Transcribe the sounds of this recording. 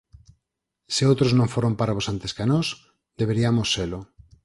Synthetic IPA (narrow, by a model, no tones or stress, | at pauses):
sɪowt̪ɾoznõɱfoɾompaɾaβosant̪eskanos | d̪eβeɾiamosːelʊ